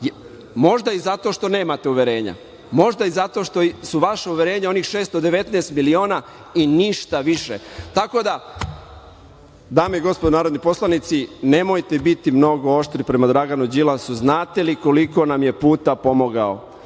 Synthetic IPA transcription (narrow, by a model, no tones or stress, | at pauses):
mo̞ʒd̪aizat̪o̞ʃt̪o̞ne̞ːmat̪euʋe̞ɾe̞ːɲa̰ | mo̞ʒd̪aizat̪o̞ʃt̪o̞suʋaʃauʋe̞ɾe̞ːɲao̞niːxʃe̞ːst̪od̪e̞ʋe̞t̪nest̪milio̞ːna | iniʃt̪aʋiʃet̪ako̞d̪a | d̪aːmeiɡo̞spod̪onaːɾod̪nipo̞slˠanit̪sine̞mojt̪ebit̪imno̞ɡo̞o̞ʃt̪ɾipɾe̞mad̪ɾaɡanud͡ʑilasuznaːt̪eliko̞liko̞namje̞puːt̪apo̞moɡao̰